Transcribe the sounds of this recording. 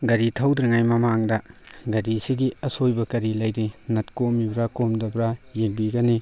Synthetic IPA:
ɡɐɾitʰawdɾiŋajmɐmaŋdɐɡɐɾisiɡiɐsojbɐkɐɾilɐjdinɐtkomibɾakomdɐbɾajeŋbiɡɐni

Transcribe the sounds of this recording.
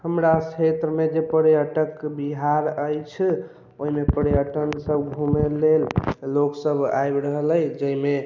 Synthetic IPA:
həmɾat͡ʃʰet̪ɾəmed͡ʒepəɾjəʈəkbiɦaɾəjt͡ʃʰ | oɦimepəɾjəʈənsəbɡʱumelelːoksəbʱa̰jbɾəɦələjd͡ʒəime

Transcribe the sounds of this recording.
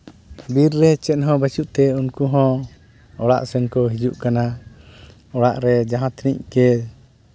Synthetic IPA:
biɾːɛt͡ʃɛt̪̚ˀɦɔ̃bat͡ʃuʔt̪ɛunkuɦɔ̃ | ɔɽa̰ʔsɛnkɔɦid͡ʒuʔkana | ɔɽaʔɾɛd͡ʒaɦãt̪nḭckɛ

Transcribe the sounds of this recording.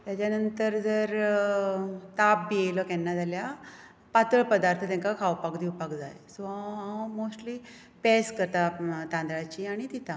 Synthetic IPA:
t̪jat͡ɕjanənt̪əɾd͡zəɾ | t̪apːiejlɔkɛ̃nːad͡zalja | pat̪əɭpəd̪aɾt̪ʰət̪ɛ̃ŋkakʰawpakd̪iwpakd͡za̰jsoɔɔlmosʈli | pɛskəɾt̪at̪ãnd̪ɾat͡ɕiaɽ̃it̪it̪ʰa

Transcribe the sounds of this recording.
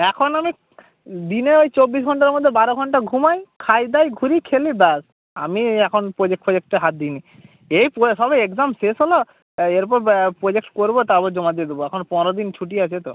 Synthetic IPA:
ɛkʰonami | d̪ineojt͡ɕobːisɡʱɔɳʈaɾmod̪ʱːebaɾoɡʱɔɳʈaɡʱumajkʰajd̪ajɡʱuɾikʰelibas | a̰miɛkʰonpɾod͡ʑek̚ʈpɾod͡ʑek̚ʈeɦat̪̚d̪ini | ejposɔbeekzamsesɦolo | eɾpɔɾpɾod͡ʑek̚ʈkoɾbot̪abod͡ʑɔmad̪ied̪eboɛkʰonpɔɾod̪int͡ɕʰuʈ̬iat͡ɕʰet̪o

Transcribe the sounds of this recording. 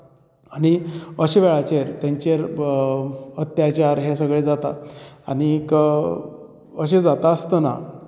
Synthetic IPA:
aɽ̃iəɕeʋeɭat͡ɕeɾt̪jãɲt͡ɕeɾ | ət̪jat͡ɕaɾɦesəɡɭed͡zat̪aaɽ̃ik | əɕed͡zat̪aəst̪əna̰

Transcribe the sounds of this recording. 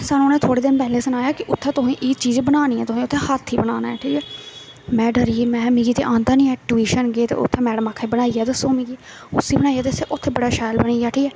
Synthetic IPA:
saːnũːnẽːt̪ʰoːɽeːd̪ɪnpɛːleːsənaːjaːkɪʔʊt̪ʰːẽːt̪ʊsẽːʔɪːt͡ʃiːzbənaːniːɛ̰̃ːt̪ʊsẽːʊt̪ʰːeːhat̪ʰːiːbənaːnaːɛːʈʰiːkɛː | mɛ̃ːɖəɾiːmɛ̃ːmĩːɡiːt̪ḛʔãːnd̪aːnĩːɛːʈuiːʃənɡeːt̪ḛːʊ̰t̪ʰːẽːmɛːɽəmaːkʰːeːbənaːiːɛːd̪əsõːmĩːɡiː | ʊsiːbənaːiɛːt̪eseːʔʊt̪ʰːeːbəɽaːʃaːjlbənaːaːʈʰiːkɛː

